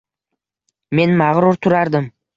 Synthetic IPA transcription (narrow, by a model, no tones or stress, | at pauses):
me̞nmaʁɾʊɾt̪ʰʊɾaɾd̪ɪm